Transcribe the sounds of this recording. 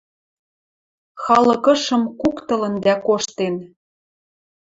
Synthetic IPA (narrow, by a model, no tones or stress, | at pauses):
xɑlɤ̆kɤ̆ʃɤ̆mkukt̪ɤ̆lə̆nd̪ækoʃt̪en